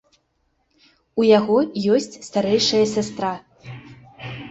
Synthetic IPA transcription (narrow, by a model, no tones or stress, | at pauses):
ujaɣɔjɔsʲt͡sʲst̪aɾɛjʂɐjɐsʲast̪ɾa